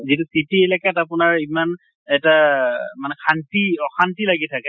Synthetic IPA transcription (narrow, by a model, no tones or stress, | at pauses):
zitusitielɛkatapʊnaɹiman | ɛtamanɛkʰantiɔxantilaɡitʰakɛ